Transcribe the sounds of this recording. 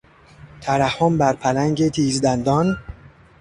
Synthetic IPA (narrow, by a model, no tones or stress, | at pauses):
t̪ʰæɾæhːombæɾpʰælæŋɟet̪ʰiːzd̪ænd̪ɒːn